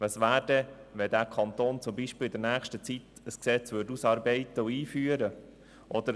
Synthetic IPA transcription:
ʋɑsʋæːɾd̥ɛʋɛdæːɾkʰɑnt̪oːnt͡sʊmbiʃpɪlɪd̪əɾnæːχʃtət͡sit̪əsksɛt͡sʋʏɾtusɑːɾbɛɪt̪əuiːfyːəɾə | ʔɔd̥̪əɾ

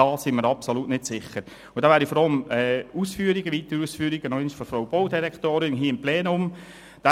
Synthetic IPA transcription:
ɑːsɪŋməɾɑpsolutnɪtsɪχːəɾ | ʊd̥ɑːʋæːɾifɔɾɑləmɛuːsfyːəɾiɡəʋit̪əɾəuːsfyːɾiɡ̥ənɔɪnʃfɔɾfɾowb̥oʊdiɾɛkt̪oːɾɪnɦiːɪmplɛːnʊm | d̥a

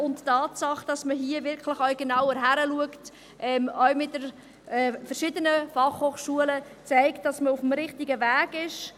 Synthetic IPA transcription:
ʊnttɑːtsɑχd̥ɑsməɦiəvɪrkχlɪχœɥɡ̥enawəɾɦæɾəluəkt | ʔɛːmœɥmɪt̚d̥əɾ | ɛːfəɾʃɪdənəfɑχhoːχʃuələ | t͡sæɪktd̥ɑsməʊfmɾɪχtɪɡəvæːɡɪʃ

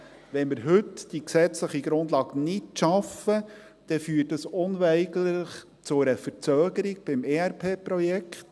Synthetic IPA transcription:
ʋɛnmɪɾɦɵtd̥iksɛt͡sləχiɡɾʊnd̪lɑːɡnɪtʃɑfə | d̪̥ɛfyːtːəsʊnʋɛɪɡlɪχ | t͡sʊɾəfəɾt͡søːɡəɾiɡ̥̚b̥ɪmeæɾpʰeːpɾɔjɛkχt̪

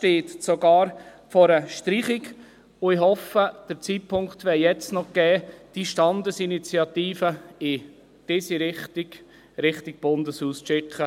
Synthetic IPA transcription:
ʃteːt̪soɡɑːɾfɔɾəʃtɾiːχɪɡ | ʊɪɦɔfəd̥ət͡siːt̚pʰʊŋkt̪ʋɛjɛt͡stnɔɡ̥ɛːd̥iʃtɑnd̪əsinit͡siɑt̪iːfəɪ | d̥ɪsiɾɪχtɪɡ̥ | ɾɪχtɪɡ̥̚b̥ʊndəshuːsʃɪkχə

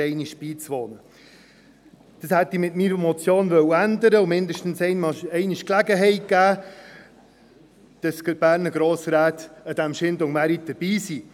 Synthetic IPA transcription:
ɛɪniʃb̥iːt͡sʋɔnə | d̥ɑshɛt̪ːimɪtmiɾəmɔt͡sjoːnʋœwəændəɾəʊmɪnd̪əʃtn̩sɛɪnmɑɛɪniʃklæɡəɦɛɪt̚ɡ̥æː | d̥ɑskəb̥æːɾnəɡ̥ɾoːsɾæːt̪əd̥̪æmʃɪndʊŋmæɾit̚d̥əɾb̥iːsi

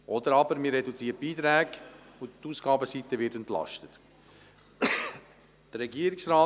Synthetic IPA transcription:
ʔɔd̪əɾɑbəɾmiɾːɛdut͡siːət̚b̥iːt̪ɾæːɡ | ʊtːuːsɡɑːbəsitəvɪtɛntlɑ̰ʃtət | d̪̥əɾɛɡiːəɾɪksrɑː

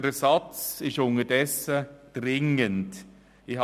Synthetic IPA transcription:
d̥əsɑt͡sɪʃʊnədɛsəd̥ʁɪŋənt | ɪh

